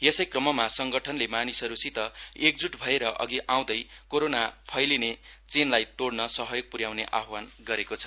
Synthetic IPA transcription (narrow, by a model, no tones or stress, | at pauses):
jesʌjkrʌmʌmasʌŋɡʌʈʰʌnlemanisʌɾusit̪ʌek̚d͡zuʈbʱʌeɾʌʔʌ̰ɡiʔaw̃d̪ʌjkoɾonapʰʌjlinet͡senlajt̪oɽnʌsʌɦʌjoɡ̚puɾjawneʔaɦwanɡʌɾekot͡sʰʌ̥